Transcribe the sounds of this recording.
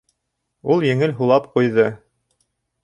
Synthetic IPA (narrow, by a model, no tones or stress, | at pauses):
ulˠjɘ̆ŋɘlɦulˠɑpqujðɤ